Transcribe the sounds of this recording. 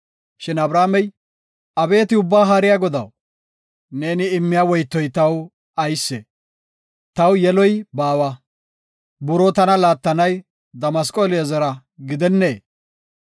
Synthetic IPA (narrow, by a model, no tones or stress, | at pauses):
ʃɪnɐbɾaːmɛj | ɐbe̞ːt̪ɪʊbːaːɦaɾɪjaɡɔd̪ɐw | ne̞ːnɪːmːɪjawɔjt̪ːɔjt̪ɐw | ɐjsːe | t̪ɐwjɛlɔjbaːwɐ | bʊɾɔt̪ɐnɐlaːt̪ːɐnɐj | d̪ɐmɐskʼolɪjɐzɐɾɐ | ɡɪd̪ɛnːeː